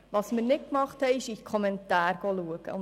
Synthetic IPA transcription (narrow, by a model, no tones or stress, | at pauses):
ʋɑsmɪɾnɪt̚kmɑχthɛɪɪʃikʰɔmɛntɑːɾɡ̥oluəɡ̥ə̰ʊ